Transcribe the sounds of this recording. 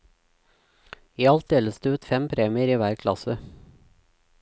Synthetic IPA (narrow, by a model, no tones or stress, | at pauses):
iːɑlt̪̚d̪eːləsd̪eːʉːt̪fɛmpʰɾeːmɪəɾiːʋæːɾkʰlɑ̰sə